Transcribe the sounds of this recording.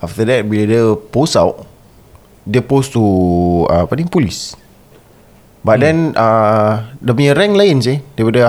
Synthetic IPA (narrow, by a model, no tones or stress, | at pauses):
aft̪ədɛt̚bilədəposawʔ | depostuapadĩŋpolis | bat̚dɛ̃na | dəmĩəɾɛ̃ŋlajins̬edepədə